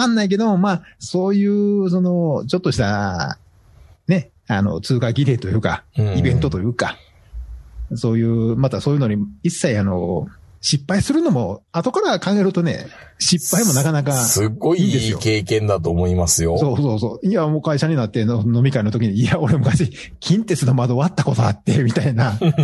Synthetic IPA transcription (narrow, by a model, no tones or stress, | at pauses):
kãnːaik̬e̞d̪o̞momaːso̞ːjɯ̟ːso̞no̞t͡ɕo̞t̪ːo̞ɕi̥t̪a | ne̞ | ano̞̰t͡sɨːkaɡʲiɾe̞ːt̪o̞jɯ̟ːkã̰ibẽ̞nt̪o̞t̪o̞jɯ̟ːka | so̞ːjɯ̟ːmat̪aso̞ːjɯ̟noɲ̟iisːaiano̞̰ɕipːaisɨɾɯ̟no̞mo̞at̪o̞kaɾakãŋɡaeɾɯ̟t̪o̞ne̞̰ | ɕipːaimo̞nakanakasɨɡo̞iːnd̪eɨjoke̞ːkẽ̞nd̪at̪oːmo̞imasɨjoso̞ːso̞ːso̞ːiamo̞ːkaiɕaɲ̟inat̪ːe̞nono̞mʲikaino̞t̪o̞kʲiɲ̟iao̞ɾemɯ̟kaɕiː | kʲĩnt̪e̞sɨno̞mad̪o̞βat̪ːako̞t̪o̞at̪ːe̞mʲit̪aina